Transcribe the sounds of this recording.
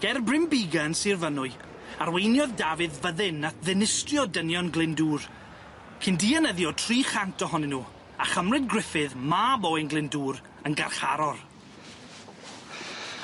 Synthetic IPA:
ɡ̥ɛrbrɪmbiɡansirvənʊɨ | arwejnjɔðdavɨðvəðɪnːatðɪnɪstrjɔdənjɔnɡlˠɪnduːr | kʰɪndiːanəðjɔtʰriːχantʰɔɦɔnɪnuː | aχəmrɨdɡrɪfɨðmabɔjnɡlˠɪnduːr | ənɡa̰rχa̰ɾɔr

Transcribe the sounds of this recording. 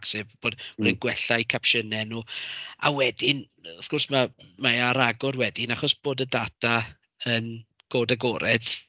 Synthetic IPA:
ksɪvb̥oːdriɡwɛɬajkʰapʃənɛnua̰wɛdɪn | ɔfkʊrsmamaaɾaɡɔrwɛdɪnaχɔsb̥oːdədatʰa | ən | ɡ̥oːdaɡɔɾʔɛd̥

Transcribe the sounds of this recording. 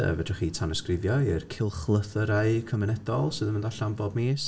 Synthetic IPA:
ə̰vɛdrɪχiːtʰanɔskrɪvjɔirkʰɪlˠχlˠəθəɾaɨkʰɔmɪnɛdɔlˠsɨːðəməndɔɬambɔdmeːs

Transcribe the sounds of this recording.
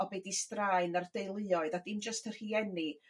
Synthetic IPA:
ɔbeːdistraɨnard̥ejlˠɨɔɨðadind͡ʒəstər̥hiːɛni

